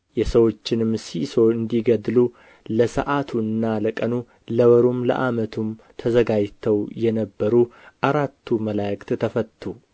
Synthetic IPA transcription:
jɛsəwo̞t͡ʃːɪnɨmːsiso̞ɨnd̪iɡəd̪lu | ləsə̰ʔat̪ʰuɨnːaləkʼənu | ləwəɾumlə̰ʔamət̪ʰum | t̪ʰəzəɡad͡ʒt̪ʰəwjɛnəbːəɾuʔaɾat̪ʰːuməlajkʼt̪t̪ʰəfət̪ʰːu

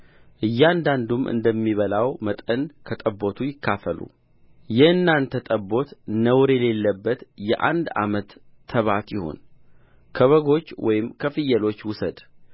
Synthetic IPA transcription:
ʔɨjːand̪and̪umʔɨ̰nd̪əmːiβəlawmət̪ʼənkʰət̪ʼəbːo̞t̪ʰujɪkːafəlṵ | jɛhɨnːant̪ʰət̪ʼəbːo̞t̪nəwɾjɛle̞lːəbːət̪jɛʔa̰nd̪a̰mət̪ʰː | əβat̪jɪho̞̰n | kʰəβəɡo̞t͡ʃːwɔ̰jɪmkʰəfɨjːəlo̞t͡ʃːwʊsəd̪

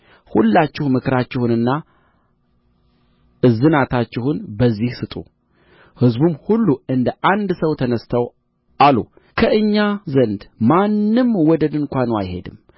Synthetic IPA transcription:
hulːat͡ʃːɪhmɨkʰɾat͡ʃːɪhunɨnːa | ɨzːɨnat̪ʰat͡ʃːɪhunbəzːihsɨt̪ʼṵ | hɨzbumhulːuɨnd̪əʔand̪səwt̪ʰənəst̪ʰəw | alṵ | kʰəʔɨɲːazənd̪manːɨmwɔd̪əd̪ɨŋkʷanoa̰jhe̞̰d̪ɨm

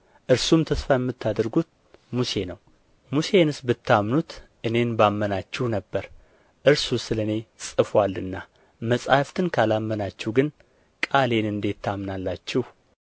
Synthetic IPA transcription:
ʔɨɾsumt̪ʰəsfajɛmːɨt̪ʰːad̪əɾɡut̪̚ | muse̞nəw | muse̞nɨsbɨt̪ʰːamnut̪ʔɨne̞nbamːənat͡ʃːɪhnəbːəɾ | ʔɨɾsusɨlɨne̞sʼɨfwalːɨnːa | məsʼaft̪ʰɨnkʰalamːənat͡ʃːɪhɡɨn | kʼale̞nɨnd̪e̞t̪ʰːamnalːat͡ʃːɪh

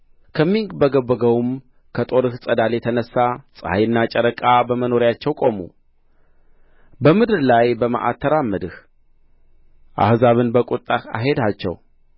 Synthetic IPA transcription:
kʰəmːiŋɡbəɡəbːəɡəwm | kʰət̪ʼo̞ɾɨhsʼəd̪aljɛt̪ʰənəsːasʼə̰hajɨnːat͡ʃʼəɾəkʼabəməno̞ɾjat͡ʃːɛwkʼo̞mṵ | bəmɨd̪ɨɾlajbəmə̰ʔa̰t̪ʰːəɾamːɨd̪ɨh | ʔa̰hzaβɨnbəkʼut̪ʼːaha̰ɦe̞d̪at͡ʃːɛ̰w

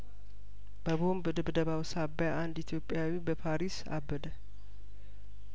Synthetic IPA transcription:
bəβombɨd̪ɨbd̪əβawsabːjaʔand̪it̪ʰjo̞pʼːjawibəpʰaɾisa̰bːəd̪ə

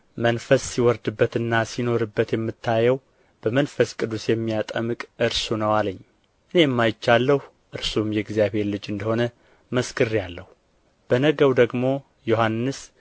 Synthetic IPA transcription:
mənfəsːiwɔɾd̪ɨbːət̪ɨnːasino̞ɾɨbːət̪jɛmːɨt̪ʰːajɛw | b̥əmənfəskʼɨd̪usjɛmːijat̪ʼəmɨkʼʔɨɾsunəwaləɲː | ʔɨne̞jmːajɪt͡ʃːalːəh | ʔɨɾsumjɛɡzijaβe̞ɾlɨd͡ʒɨnd̪əho̞nə | məskʰɨrːjalːəhu | b̥ənəɡəwd̪əɡmo̞ | johanːɨs

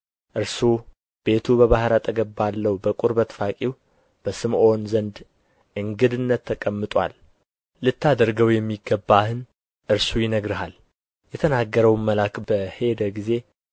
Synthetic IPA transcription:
ʔɨɾsu | b̥e̞t̪ʰubəβahɾat̪ʰʼəɡəbːalːəwubəkʼuɾbət̪fakʼiw | b̥əsɨmʔo̞nzənd̪ | ʔɨŋɡɨd̪ɨnːət̪ʰːəkʼəmːɨt̪ʼwa̰lː | ɨt̪ʰːad̪əɾɡəwjɛmːiɡːəbːahɨn | ʔɨɾsujɪnəɡɾɨhal | jɛt̪ʰənaɡːəɾəwməlakb̥əhe̞d̪əɡize̞

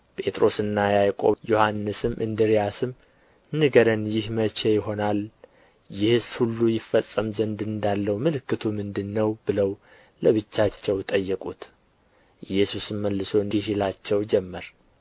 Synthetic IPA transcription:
pʼe̞t̪ʼɾo̞sɨnːajajkʼo̞̰jo̞hanːɨsɨmʔɨnd̪ɨɾijasɨm | nɨɡəɾənjɪhmət͡ʃe̞jɪɦo̞nal | jɪhɨshulːujɪfːəsʼːəmzənd̪ɨnd̪alːəwmɨlɨkːɨt̪ʰumɨnd̪ɨnːəwbɨləw | ləβɨt͡ʃːat͡ʃːɛwt̪ʼəjːəkʼut̪ | jɛsusmmːəlːɨso̞nhilat͡ʃːɛwd͡ʒɛmːəɾ

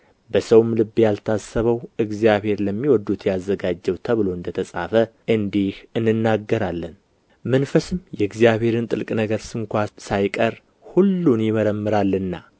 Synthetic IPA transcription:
bəsəwmlɨbːjalt̪ʰasːəβəwʔɨɡzijaβhe̞ɾləmːiwɔd̪ːut̪jazːəɡad͡ʒːɛwt̪ʰəβɨlo̞ɨnd̪ət̪ʰəsʼa̰fəʔɨnd̪ihɨnːɨnːaɡːəɾalːən | mənfəsɨmjɛɨɡzijaβhe̞ɾɨnt̪ʼɨlkʼnəɡəɾsɨŋkʷasajkʼəɾ | hulːunjɪməɾəmːɨɾalːɨnːa

